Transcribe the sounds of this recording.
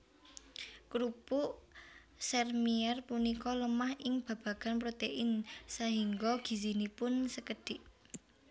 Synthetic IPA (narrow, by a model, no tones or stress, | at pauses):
ɡ̥ɾupu | sɛrmiɛrpunikɔləmahʔɪŋb̥ä̤b̥ä̤ɡ̥a̤npɾot̪eʔɪnsaɦiŋɡɔɡ̥i̤sinipʊnsəkəɖ̥ɪʔ